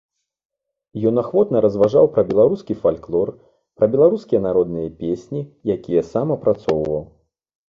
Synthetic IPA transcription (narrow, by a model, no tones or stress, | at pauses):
jɔnaxvɔt̪nɐɾɐzvaʐawpɾɐbʲɛlˠaɾuskʲifalʲklˠɔr | pɾɐbʲɛlˠaɾuskʲijɐnaɾɔd̪nɨjɐpʲesʲnʲijakʲijɐsamɐpɾat̪sɔwvɐw